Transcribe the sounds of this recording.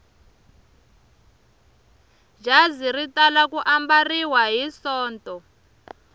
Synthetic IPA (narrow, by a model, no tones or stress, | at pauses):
d͡ʒaziritalakuʔambariwaɦisɔːntɔ